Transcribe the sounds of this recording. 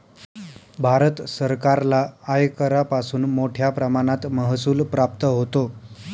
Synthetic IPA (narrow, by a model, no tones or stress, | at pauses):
bʱaɾət̪səɾkaɾlaːjkəɾapasuːnmoʈʰjapɾəmaɽ̃at̪məɦsuːlpɾap̚t̪əɦot̪o